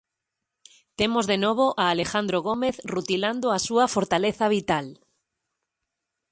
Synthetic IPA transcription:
t̪emozðenoβ̞oʔaːlexand̪ɾoɣ̞omeθrut̪iland̪oasuafoɾt̪aleθaβ̞it̪al

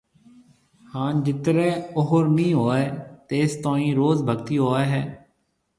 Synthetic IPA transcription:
hãːnd͡ʒɪt̪ɾɛːoɦoɾmĩːɦoːeːt̪eːst̪oːĩːɾoːzbʱəɡt̪iːɦoːeːɦɛː

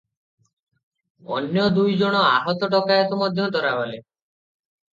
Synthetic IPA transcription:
ɔ̰njɔd̪ujd͡ʒoɽ̃ɔaɦɔt̪ɔʈɔkajɔt̪ɔmɔd̪ʱjɔt̪ɔɾabale

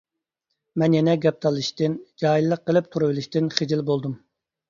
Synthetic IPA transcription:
mɛnjɛnɛɡʲɛp̚t̪ʰɑlˠɨʃt̪ɪnd͡ʒɑːjilˠːəqːəlˠɨp̚t̪ʰuɾɨbɪlˠɪʃt̪ɪnχɪd͡ʒilbolˠd̪um

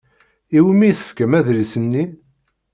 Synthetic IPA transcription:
iwmiθə̥fkəmæðlisənːi

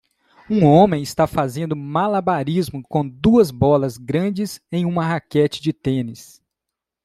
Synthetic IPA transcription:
ũõmẽj̃ɪst̪afazẽnd̪ʊmalabaɾizmʊkõd̪uɐzbɔlɐzɡɾɐ̃d͡ʒɪzẽj̃ũmɐɦakɛt͡ʃɪ̥d͡ʒɪt̪ẽnɪs

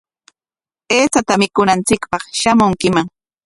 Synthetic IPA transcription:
eːt͡sat̪amɪkʊnant͡sɪkpɑχʃamʊŋkɪmaŋ

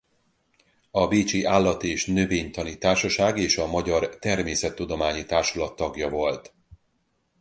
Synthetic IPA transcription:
ɒbeːt͡ʃiʔaːlːɒt̪ieːʃnø̞veːɲt̪ɒnit̪aːrʃɒʃaːɡeːʃɒmɒɟɒrt̪ɛrmeːsɛt̪ːud̪o̞maːɲit̪aːrʃulɒt̪ːɒɡjɒvo̞lt̪

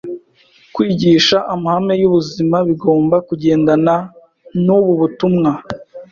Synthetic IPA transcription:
kwiːɟiːʃaʔamahame̞juβuzimaβiɡo̞ːmbakuɟe̞ːndana | nuβuβutumŋa

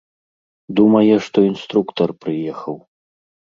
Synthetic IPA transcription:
d̪umɐjɛʂt̪ɔinst̪ɾukt̪ɐrpɾɨjɛxɐw

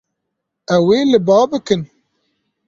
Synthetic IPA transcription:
ɛweːlɨbɑːbɨkɨn

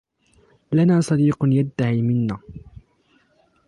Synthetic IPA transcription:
lanaːsˤɑd̪iːqjad̪ːahiːmɪnːaː

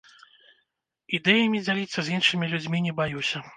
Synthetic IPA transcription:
id̪ɛjɐmʲid͡zʲalʲit̪sːɐzʲinʂɨmʲilʲud͡zʲmʲinʲɛbajusʲɐ

